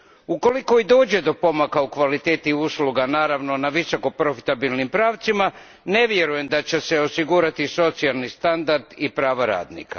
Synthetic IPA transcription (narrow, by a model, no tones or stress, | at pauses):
uko̞liko̞id̪o̞ːd͡ʑe̞d̪o̞po̞makaukʋalit̪e̞ːt̪iusluɡanaːɾaʋno̞naʋiso̞ko̞pɾo̞fi̥t̪abilˠnimpɾaːʋt̪sima | ne̞ʋje̞ɾuje̞md̪at͡ɕe̞se̞osiɡuɾat̪iso̞t̪sialˠnist̪and̪aɾd̪ipɾaːʋaɾa̰ːd̪nḭka